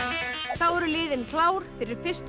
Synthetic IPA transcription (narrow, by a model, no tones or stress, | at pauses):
awɛɾʏlɪːðɪnkʰlaːwɾ̥fɪɾɪɾ̥fɪst̪